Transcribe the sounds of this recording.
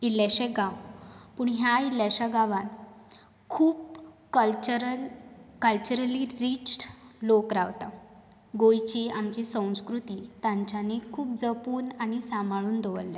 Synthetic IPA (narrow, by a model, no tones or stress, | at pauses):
ilːaɕeɡãwpuːɳɦjailːjat͡ɕaɡaʋãn | kʰuːpkəlt͡ɕəɾəlkəlt͡ɕəɾəliɾiːt͡ɕʈlokɾaʋt̪a̰ | ɡojt͡ɕiamt͡ɕisə̃w̃skɾut̪iːt̪ãɲt͡ɕanikʰuːp̚d͡zəpuːnaɽisamaɭuːnd̪ʱoʋəlːe